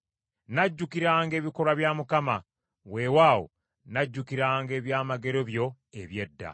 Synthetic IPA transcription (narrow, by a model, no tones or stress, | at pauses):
naɟːukiɾaːŋɡe̞ːβiko̞ɾwaβjamukama | we̞waːwo̰ | naɟːukiɾaːŋɡe̞ːβjaːmaɡe̞ɾo̞βjo̞ | eβje̞dːa̰